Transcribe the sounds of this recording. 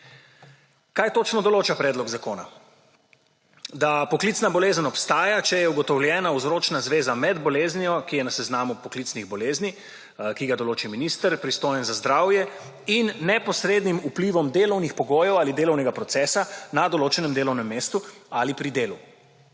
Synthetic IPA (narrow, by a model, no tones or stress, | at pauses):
kajt̪oːt͡ʃnɔd̪ɔloːt͡ʃapɾɛd̪lɔɡzakoːna̰ | d̪apɔklit̪snabɔlezənɔpst̪aːjat͡ʃɛjɛuɡɔt̪ɔwljɛːnauzɾoːt͡ʃnazʋeːzamɛd̪bɔleːznijɔkijɛnasɛznaːmupɔklit̪sniɣbɔleːzni | kiɡad̪ɔloːt͡ʃiminiːst̪əɾpɾist̪oːjɛnzazd̪ɾaːwjɛ | inːɛpɔsɾeːd̪nimupliʋɔmd̪eːlɔwnixpɔɡoːjɛwaːlid̪eːlɔwnɛɡapɾɔt̪sɛːsanad̪ɔloːt͡ʃɛnɛmd̪eːlɔwnɛmːeːst̪ualipɾid̪eːlu